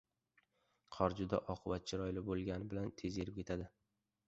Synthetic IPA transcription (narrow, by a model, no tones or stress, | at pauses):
qʰɒɾd͡ʒʊd̪aʔɒqʰɨbat̪̚t͡ʃʰɪɾɒjlɪbolˠɡʲanɪbɪlant̪ʰe̞zeɾɪpkʲʰe̞t̪ʰad̪ɪ